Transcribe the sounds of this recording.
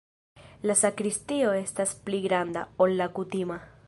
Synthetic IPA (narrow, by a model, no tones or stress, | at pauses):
lasakɾistio̞e̞staspliɡɾand̪a̰olːakutima